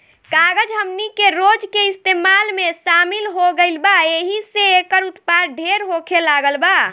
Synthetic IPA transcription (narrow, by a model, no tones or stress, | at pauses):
kaɡəd͡ʒɦəmnikeɾod͡ʒkeist̪emalmeʃamilɦoɡəɪlbaeɦiseekəɾut̪paɾ̚ɖʱeɾɦokʰelaɡəlba